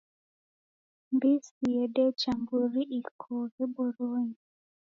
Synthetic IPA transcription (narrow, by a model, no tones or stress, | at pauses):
mbisijɛdet͡ʃambuɾiʔikʰoɣɛbɔɾoɲi